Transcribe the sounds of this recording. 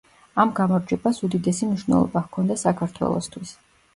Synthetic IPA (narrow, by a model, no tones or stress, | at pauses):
amɡamɔɾd͡ʒɛbasud̪id̪ɛsimniʃwnɛ̰lˠɔ̰bahkʰɔnd̪asakʰaɾt̪ʰwɛ̰lˠɔ̰st̪ʰwis